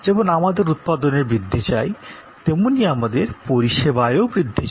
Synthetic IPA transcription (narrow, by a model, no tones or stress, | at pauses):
d͡ʑebonamad̪eɾut̪̚pad̪oneɾbɾid̪ʱːit͡ɕaj | t̪emoniamad̪eɾpoɾiʃebaeoobɾid̪ʱːit͡ɕ